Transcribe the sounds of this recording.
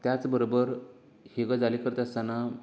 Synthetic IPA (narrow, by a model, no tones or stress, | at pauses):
t̪jat͡sbəɾobəɾ | heɡəd͡zalikəɾt̪ast̪ana